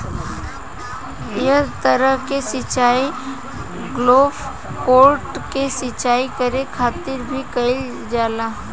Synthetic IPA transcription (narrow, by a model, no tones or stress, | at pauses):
jɐt̪əɾəɦkesɪt͡ʃaːi | ɡloːb | koːɾʈkesɪt͡ʃaːikɐɾekʰaːt̪ɪɾbʱikɐɪl | d͡ʒaːlaː